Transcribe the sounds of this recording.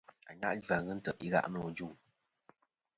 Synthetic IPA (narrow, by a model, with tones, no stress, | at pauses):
a̰˨ɲa̰˦ʔd͡ʒa˨ɣɨ˦n̩˦tə˨ʔi˦ɣa̰˦ʔnɔ˨d͡ʒu˦˨